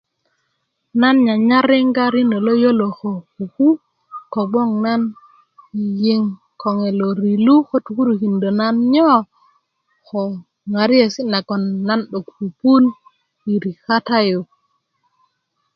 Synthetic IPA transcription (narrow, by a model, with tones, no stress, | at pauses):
na˦nɲa˨ɲa˦ɾɪ˦ŋɡa˦ɾi˦ndo˨lo˦jo˦lo˨xo˨ku˨ku˦ | ko˨ɡ͡bɔ˦ŋna˦n | i˨ji˦ŋ | kɔ˨ŋe˨lo˨ɾi˨lu˦xo˦tu˨ku˦ɾu˨ki˨ndo˨na˦nɲɔ˦ | xɔ˨ | ŋa˨ɾi˦e˨si˦na˨kɔ˨nːa˦nɗo˨k̚pu˨pu˦n | i˨ɾi˨ka˦ta˦ju˨